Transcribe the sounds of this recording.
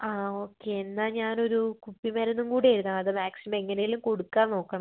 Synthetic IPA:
aːo̞ːkːeenːaːɲaːno̞ɾukupːimaːɾenːumkuːɽiɐjɾunaɐðɨmaːksimɐmeŋːɐnejilumko̞ɽukːaːnno̞ːkːɐɳɐ

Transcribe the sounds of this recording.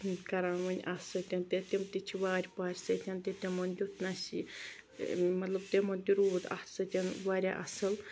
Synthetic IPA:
kɐɾaːʋɐnʲʔasət̪ʲɐnt̪et̪ʲɐmt̪it͡ʃʰiʋaːɾʲpaːɾʲsɐt̪ʲɐnt̪et̪ʲemɐnd̪ʲut̪nasi | mɐt̪lɐb̚t̪emɐnd̪ʲiɾuːd̪a̰sət̪ʲɐnʋaːɾʲa̰ʔɐ̰sɐl

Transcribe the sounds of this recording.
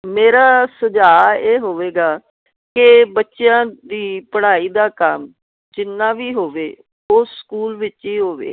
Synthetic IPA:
meːɾaːsəd͡ʒaːeːɦoːʋeːɡaː | kɪbətːʃejãːd̪iːpəɽ̤aːiːd̪aːkəm | d͡ʒɪnːãːʋiːɦoːʋeː | oːskuːlʋɪt͡ʃiːɦoːʋḛː

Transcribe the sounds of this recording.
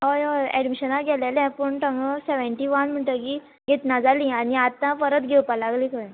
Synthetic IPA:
ɦojoɛɖmiɕənaɡɛlelɛ̃pəɳʈə̃ŋɡəseʋəɳʈiːʋanm̤əɳʈəki | ɡʱet̪nad͡zalĩːañiat̪ːãfəɾət̪ɡʱewpalaɡlĩkəj

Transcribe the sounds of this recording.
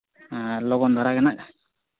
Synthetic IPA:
lɔɡɔnd̪ʱaɾakɛnaʔa

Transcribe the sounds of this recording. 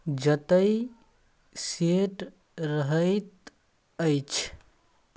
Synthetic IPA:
d͡ʒət̪əj | seʈ | ɾəɦəɪt̪ | əjt͡ʃʰ

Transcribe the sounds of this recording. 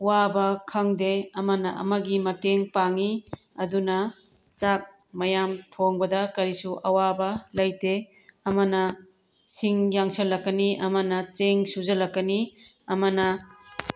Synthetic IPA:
wabɐkʰɐŋdeɐmɐnɐʔɐ̰mɐɡimɐteŋpaŋi | ɐdunɐ | t͡ʃak̚ | mɐjamtʰoŋbɐdɐkɐɾisuʔɐwabɐlɐjte | ɐmɐnɐ | siŋjaŋsʰɐlɐkːɐniʔɐmɐnɐt͡ʃeŋsuzɐlɐkːɐni | ɐmɐnɐ

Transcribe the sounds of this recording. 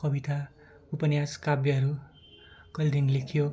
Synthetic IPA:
kʌbit̪a | upʌnjaskabjʌɦʌɾu | kʌld̪inlekʰjo

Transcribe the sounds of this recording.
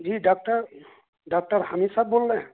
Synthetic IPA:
d͡ʒiɖaːk̚ʈəɾ | ɖaːk̚ʈəɾhəmisɐb̚boːlːẽ

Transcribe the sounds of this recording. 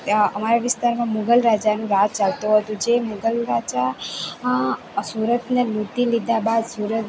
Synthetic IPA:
əmaɾaʋɪst̪aɾmãmuɡəlɾad͡ʒanũɾat̪t͡ʃalt̪ũɦət̪ũd͡ʒemuɡəlɾad͡ʒa | suɾət̪nelut̪ilid̪abad̪suɾət̪

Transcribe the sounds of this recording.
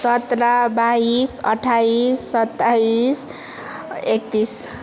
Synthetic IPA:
sʌt̪ɾabaisʌʈʰːaisːʌt̪ːais | ek̚t̪is

